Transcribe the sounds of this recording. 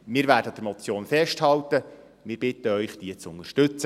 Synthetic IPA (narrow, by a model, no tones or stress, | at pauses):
mɪːɾvæːɾdəd̥̪əɾmɔt͡sjoːnfɛʃthɑlt̪ə | mɪːɾb̥ɪt̪əœʏχd̥̪iət͡sʊnəʃtɵt͡sə